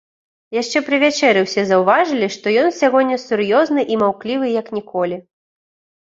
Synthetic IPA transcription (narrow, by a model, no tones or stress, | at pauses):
jaʂt͡ʂɛpɾɨvʲat͡ʂɛɾɛwsʲɛzɐwvaʐɨlʲiʂt̪ɔjɔnsʲaɣɔnʲːɐsʲuɾjɔznɨʔimawklʲivɨjɐknʲikɔlʲi